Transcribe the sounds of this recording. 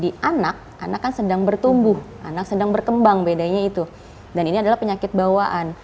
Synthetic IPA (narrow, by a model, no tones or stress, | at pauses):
diʔanak̚ʔa̰nakːansədaŋbərt̪umbʊhʔanak̚sədaŋbərkəmbaŋbedaɲait̪u | daniniadalahpəɲakɪt̪̚bawaʔan